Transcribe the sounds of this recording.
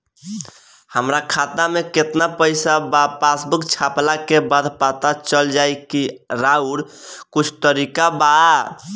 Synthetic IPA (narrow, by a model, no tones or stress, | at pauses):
həmɾakʰat̪ameket̪napəɪsabapasbukt͡ʃʰaplakebad̪ʱpat̪at͡ʃəld͡ʒajkiɾauɾ | kut͡ʃʰt̪əɾikaba